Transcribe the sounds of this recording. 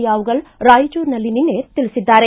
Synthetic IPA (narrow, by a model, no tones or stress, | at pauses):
iaːuɡəlɾaːjt͡ʃoɾnɐlininet̪ɪlsɪd̪ːaːɾe